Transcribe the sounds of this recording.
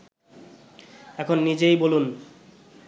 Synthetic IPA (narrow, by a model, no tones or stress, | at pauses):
ɛkʰonːid͡ʑejbolun